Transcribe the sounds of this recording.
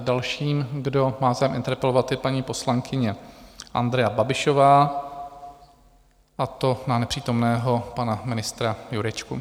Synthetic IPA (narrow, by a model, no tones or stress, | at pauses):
dalʃiːmɡdo̞maːvzajɛmʔɪnt̪ɛɾpɛlovat̪ɪpaɲiːpo̞slaŋkɪɲɛʔa̰nd̪ɾɛjababɪʃovaː | ʔat̪o̞nanɛpr̝̥iːt̪o̞mnɛːɦo̞panamɪnɪst̪ɾajuɾɛt͡ʃkṵ